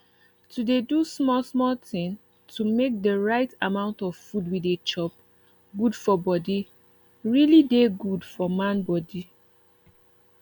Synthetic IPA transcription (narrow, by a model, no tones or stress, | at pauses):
tudedusmɔlsmɔltĩŋ | tʰumek̚dəɹaɪtamãʊ̃ntɔv̥fudwidet͡ʃɔp̚ | ɡudfɔbɔdi | ɹilideɡudfɔmãnbɔdi